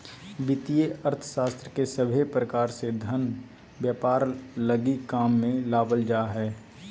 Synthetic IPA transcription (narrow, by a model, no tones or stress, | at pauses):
bɪt̪ijeʔəɾt̪ʰə̥ʃaːst̪ɾəkesəbʱepɾəkaːɾsed̪ʱən | bjaːpaːɾləɡikaːmːẽlaːbəld͡ʒaːɦɛː